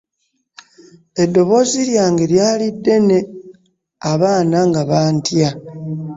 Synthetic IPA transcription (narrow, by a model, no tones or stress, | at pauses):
e̞do̞βo̞ziɾjaːŋɡeɾjaːlidːe̞ne̞ | aβaːnaŋɡaβaːntja